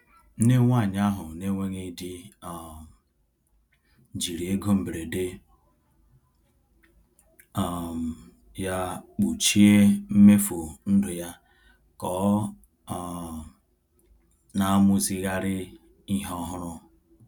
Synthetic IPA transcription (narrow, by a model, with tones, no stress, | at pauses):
ne˦ŋʷa˦˨ɲ˦a˦ɦʊ˨ne˦ŋʷe˦ŋe˦di˦ɔ˨m˨ | d͡ʒi˨ɾi˨e˦ɡo˦m̩˨bɾe˨de˦ | ɔ˨ | ja˦k͡pu˨t͡ʃi˦e˦m̩˦me˦fo˨n̩˦dʊ˨ja˦ | kɔ˨˦˨ | na˦mʊ˦zi˦ɣa˦ɾɪ˦ | i˦ɦɔ˦ɦʊ˦ɾʊ˦